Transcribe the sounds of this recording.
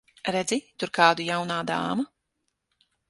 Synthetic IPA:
ɾɛd̪zit̪uɾkaːd̪ujawnaːd̪a̰ːma

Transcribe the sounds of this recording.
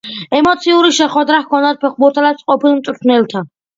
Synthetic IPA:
ɛmɔt̪sʰiuɾiʃɛχwɛd̪ɾahkʰɔnd̪ad̪̚pʰɛχ̚ʰbuɾt̪ʰad̪at̪sʼqʼɔpʰilˠmt̪ʼɾt̪ʰnɛlˠt̪ʰa

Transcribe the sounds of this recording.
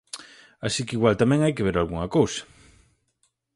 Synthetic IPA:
asikiɣwalt̪amɛ̃ŋajkeβ̞eɾalɣuŋɐkowsḁ

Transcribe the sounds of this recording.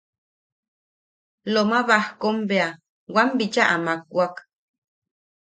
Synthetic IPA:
lomaβahkombea | wambit͡ʃaʔamak̚ʷwak

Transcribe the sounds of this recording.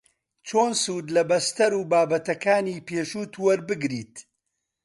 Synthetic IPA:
t͡ʃʰoːnsuːd̪lɐbɐst̪ɐɾuːbaːbɐt̪ɐkaːniːpeːʃuːt̪ʰuwɐɾbɨɡɾiːt̪

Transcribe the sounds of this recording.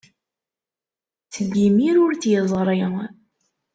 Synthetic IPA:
t͡səɡːimiɾʊɾt͡sjəzˤɾˤi

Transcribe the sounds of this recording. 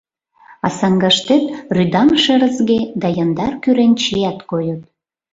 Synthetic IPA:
ɑsɑŋɡɑʃt̪et̪ryd̪ɑmʃĕɾə̆zɣed̪ɑjɑnd̪ɑrkyɾent͡ɕeæt̪kojot̪̚

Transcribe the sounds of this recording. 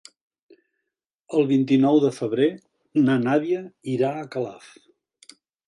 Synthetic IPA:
əlˠβint̪inɔwðəfəβɾe | nənaβiəiɾaəkəla̰f

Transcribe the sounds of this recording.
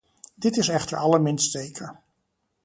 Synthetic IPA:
dɪtɪsɛχtəɹɑləɹmɪnstejkʰə

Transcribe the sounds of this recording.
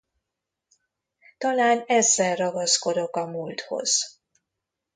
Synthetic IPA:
t̪ɒlaːnɛzːɛlrɒɡɒsko̞d̪o̞kɒmult̪ho̞̰z̥

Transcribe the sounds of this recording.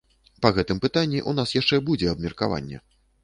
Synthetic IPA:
pɐɣɛt̪ɨmpɨt̪anʲːiʔunasjaʂt͡ʂɛbud͡zʲɛɐb̚mʲɛrkava̰nʲːɛ̰

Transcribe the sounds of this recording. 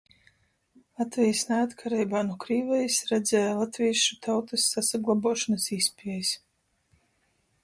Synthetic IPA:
lˠat̪vʲɛjsnɛat̪kʰaɾɛjbaːnukɾiːvɛjsɾɛd̪zɛːjlˠat̪vʲijʃut̪ʰawt̪asːasaɡlˠabuɔʃɔnasispʲiɛjs

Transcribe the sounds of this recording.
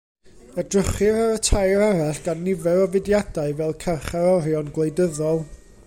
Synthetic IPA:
ədrəχɪɾaɾətʰajɾaɾaɬɡ̥anːɪvɛɾɔvɪdjadaɨvɛlˠkʰɛrχaɾɔɾjɔnɡlˠejdəðɔlˠ

